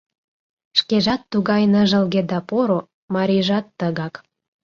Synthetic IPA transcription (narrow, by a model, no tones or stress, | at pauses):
ʃkeʒɑt̪ːuɣɑjnəʒə̆lɣed̪ɑpoɾo | mɑɾʲiʒɑt̪ːəɣɑk